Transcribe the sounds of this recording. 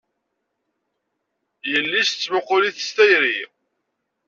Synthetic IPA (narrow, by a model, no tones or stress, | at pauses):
jəlːist͡sːmʊqʊliθəst̪æjɾi